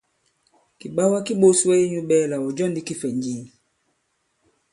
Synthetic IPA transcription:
ki˨ɓa˦wa˦ki˦ɓo˦swɛ˦i˦ɲu˦ɓɛ˦la˨ɔ˨d͡ʒɔ˦ndi˦ki˦fɛ˨ɲd͡ʒi˨˦

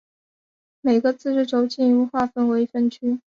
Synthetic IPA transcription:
me˨˩ɡə˦t͡sɹ̩˥˧ʂɻ̩˥˩ʈ͡ʂo˧˥ʊt͡ɕi˥nu˥˧xwa˥˩fə˥˩nwe˧˥ɪ˧fə˥˩nt͡ɕʰy˥

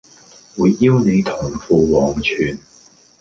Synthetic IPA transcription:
wuː˨˧jːiː˥wne˨˧jt̪ʰʊ˨˩ŋfuː˧wɔː˨ŋt͡ʃʰyː˨n

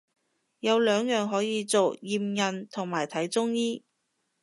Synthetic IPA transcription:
jɐ˨˧wlœː˨˧ŋjœː˨ŋɦɔː˨˥jiː˧t͡so˨wjiː˨mjɐ˨nt̪ʰʊ˨˩ŋmaː˨˩jt̪ʰɐ˨˥jt͡sʊ˥ŋjiː˥

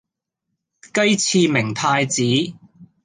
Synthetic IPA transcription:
kɐ˥jt͡sʰiː˧mɪ˨˩ŋpʰaː˧jt͡siː˨˥

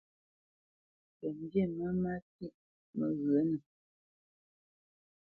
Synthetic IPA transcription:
pɛ˨n˦dje˦˨mə˦ma˦ti˦ʔ | mə˨ɣə˨˦nə˨

